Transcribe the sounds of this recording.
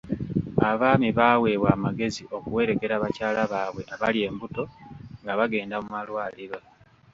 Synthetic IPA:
aβaːmiβawe̞ːβwaːmaɡe̞ziʔo̞kuwe̞ːɾe̞ke̞ɾaːβacaːlaβaːβwe̞ʔaβalje̞ːmbuto̞ŋɡaβaɡe̞ːndamumalwaːliɾa

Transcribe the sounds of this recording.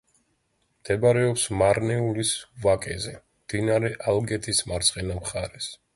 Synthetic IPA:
md̪̥ɛbaɾɛɔpsmaɾnɛulisvakʼɛzɛ | md̪̥inaɾɛʔalˠɡɛt̪ʰismaɾt̪sʼqʼɛnamχaɾɛs

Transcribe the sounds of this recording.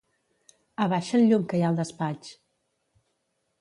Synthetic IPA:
əβaʃəlʎuŋkəjalˠd̪əspat͡ʃ

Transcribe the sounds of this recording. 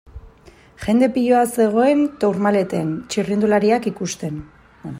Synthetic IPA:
ʝe̞nd̪e̞piʎo̞ase̞ɣ̞o̞e̞nt̪owɾmale̞t̪ent͡ʃirind̪ulaɾiakikust̪e̞n

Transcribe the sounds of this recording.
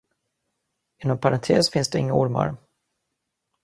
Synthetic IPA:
ɪnːɔmpʰaɾant̪ʰeːsfɪnsd̪ɛɪŋːaʊɾma̰ɾ

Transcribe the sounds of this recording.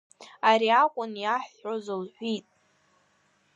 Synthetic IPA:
aɾiakʷʼʊnjaħozɨlħʷitʼ

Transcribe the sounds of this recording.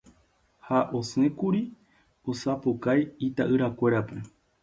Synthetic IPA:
haʔo̞sẽkuɾi | osapokajit̪aʔɨɾakʷe̞ɾape̞

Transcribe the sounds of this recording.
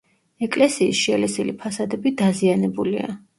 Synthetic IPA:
ɛkʼlɛsiːsʃiɛlɛsilipʰasad̪ɛbid̪azianɛbulḭa̰

